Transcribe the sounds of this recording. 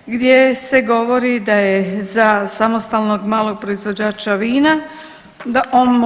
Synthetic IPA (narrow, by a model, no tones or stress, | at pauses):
ɡd̪jese̞ɡo̞ʋoɾid̪ajezasamost̪aːlno̞ɡmaːlˠo̞ɡ̚pɾoizʋod͡ʑaːt͡ɕaʋiːna | d̪aʔoːnm